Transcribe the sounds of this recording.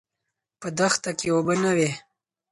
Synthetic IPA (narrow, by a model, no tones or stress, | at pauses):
pəd̪axt̪akewobənawe